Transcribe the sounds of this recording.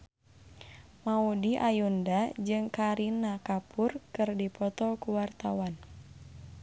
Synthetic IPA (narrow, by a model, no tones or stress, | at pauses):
maudiʔajundad͡ʒɨŋkaɾinakapʊrkɨrdipɔt̪ɔkuwart̪awan